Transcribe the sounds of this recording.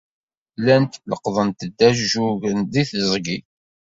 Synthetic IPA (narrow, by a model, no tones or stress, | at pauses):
lænt̪ləqðˤənt̪əd̪ːæʒʒuʝənðiθzˤɡi